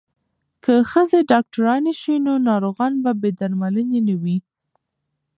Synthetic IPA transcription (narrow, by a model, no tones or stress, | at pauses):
kʰəxəzeɖɑk̚ʈaɾɑneʃwinonɑɾoɣɑnbabed̪aɾmalənenawi